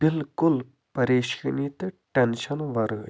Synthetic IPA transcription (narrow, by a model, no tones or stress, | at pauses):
bilkol | pəɾeɕə̥k̚ɦnit̪əʈanɕʰalwaɾə